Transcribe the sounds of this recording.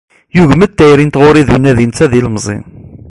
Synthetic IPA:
juʝmət̪ːæjɾint̪ʁʊɾiðunːæðint͡sæðiləmzˤḭn

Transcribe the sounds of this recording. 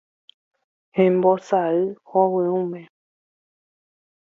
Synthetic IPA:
hẽmbosaɨhowɨ̃ũmẽ

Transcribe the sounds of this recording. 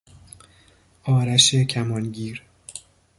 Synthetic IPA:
ʔɒːɾæʃecʰæmɒːnɟiːɾ

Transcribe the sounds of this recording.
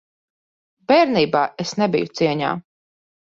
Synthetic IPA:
bɛːɾniːbaːʔesnɛbḭjut̪siɛɲa̰ː

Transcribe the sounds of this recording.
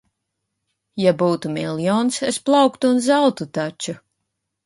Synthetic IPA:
jabuːt̪umʲilʲˠjɔːnsesplˠɑwkt̪uːnzawt̪ut̪at͡ʃu

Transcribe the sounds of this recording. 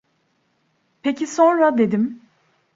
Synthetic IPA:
pʰecʰisõ̞nɾad̪e̞d̪im

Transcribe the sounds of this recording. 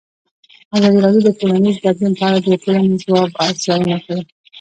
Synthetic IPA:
azɑd̪iɾɑd̪jod̪əʈolanizb̪ad̪junpəaɽad̪əʈolanizwɑbazjɑlunakawi

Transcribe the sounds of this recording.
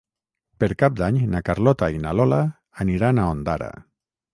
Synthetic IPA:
peɾkap̚d̪aɲnakaɾlɔt̪ainalɔlaː | niɾanaond̪aɾa̰

